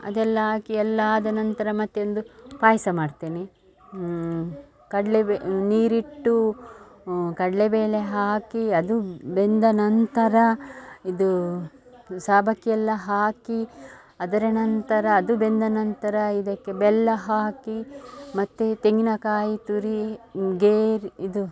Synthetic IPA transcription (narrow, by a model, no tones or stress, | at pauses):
ɐ̰d̪ɛlːɐɦaːkiɛlːɐːd̪ɐnɐnt̪ɐɾɐmɐt̪ːeond̪upaːjsɐmaːɖt̪eːne | kɐɽleniːɾiʈːu | kɐɽlebeːle̞ɦaːkiɐd̪ubend̪ɐnɐnt̪ɐɾɐid̪u | saːbʱɐkijɛlːɐɦaːki | ɐd̪ɐɾɐnɐnt̪ɐɾɐːd̪ubend̪ɐnɐnt̪ɐɾɐid̪ɐkːe̞bɛlːɐɦaːkimɐt̪ːet̪eŋɡinɐkaːjit̪uɾiɡeːɾiid̪u